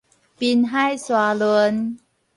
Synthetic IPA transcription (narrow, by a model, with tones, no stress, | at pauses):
pi˧nɦa˥˩jswa˧lo˧n